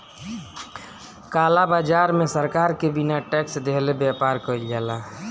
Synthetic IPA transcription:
kaːlabaːd͡ʒaːɾmẽsəɾkaɾkebinaʈɛksd̪ʱelebjapaɾkəilɡɛːla

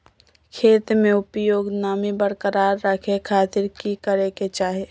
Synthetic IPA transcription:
kʰeːt̪mẽʊpjoːɡnaːmibəɾkəɾaːɾːəkʰekʰaːt̪ɪɾkikəɾeket͡ʃaːɦe

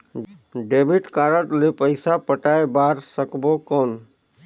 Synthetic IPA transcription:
ɖeːbʱiʈkaːɾəʈlepəɪsapəʈaːebaːɾsəkbokon

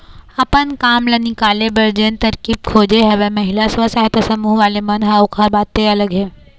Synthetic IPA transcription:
ɐpənkaːmlɐnikaːlebɐɾd͡ʒent̪ɐɾkiːb̚kʰoːd͡ʒeɦɛʋemɐɦɪlasʋasaɦt̪asɐmuːɦʋaːlemɐnɦaokaɾbaːt̪ːeɐləɡɦɛː

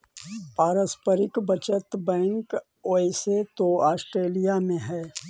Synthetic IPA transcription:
paːɾəspəɾɪkbət͡ʃət̪bɛ̃ːŋk | oːeset̪oaːsʈɾeːlijamẽɦɛː

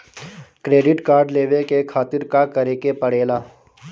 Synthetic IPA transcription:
kɾeːɖɪʈkaːɾɖleːʋekekʰaːt̪ɪɾkakɐɾekepəɽ̤eːlaː

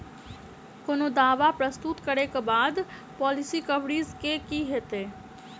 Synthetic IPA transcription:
koːnod̪aːʋapɾəst̪ʊt̪kɐɾekebaːd̪ | pɔːlɪsikɐbɽizkekiɦeːt̪eː

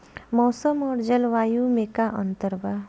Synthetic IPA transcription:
mɔːsəmɔːɾd͡ʒəlʋaːjumẽkaʔə̰̃nt̪əɾba

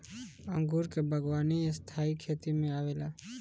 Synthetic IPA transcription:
ə̃ŋɡuːɾkebʱəɡwaːniest̪ʰaːikʰeːt̪imẽaːʋeːlaː

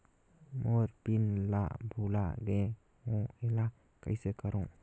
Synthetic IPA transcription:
mɔɾpinlaʔbʱula̰ɡe | ɔ̃ela | ka̰jsekaɾɔ̃

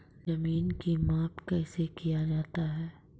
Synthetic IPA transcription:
zɐmiːnkimaːpkɛːsekijad͡ʒaːt̪aɦɛː

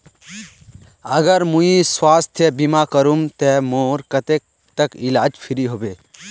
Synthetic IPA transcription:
ɐɡəɾmuĩswaːst̪ʰjebimakɐɾumt̪ɛmoːɾkɐt̪ek̚ | t̪ɐkilaːd͡ʒpʰiɾiɦoːbeː

